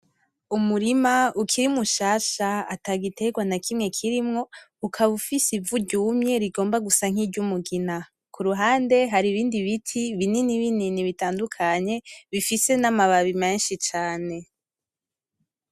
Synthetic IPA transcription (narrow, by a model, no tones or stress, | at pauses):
umuɾimaukʰiɾimuʃaːʃaataɡite̞ɡwanakʰimŋe̞kʰiɾimŋo̞ukʰaβufisivuɾɟuːmɲe̞ɾiɡo̞ːmbaɡusaŋ̥iɟumuɡina | kuɾuɦaːnde̞ɦaɾiβiːndiβitʰiβininiβininiβitaːndukʰaɲe̞βifise̞namaβaβimeːnʃit͡ʃaːne̞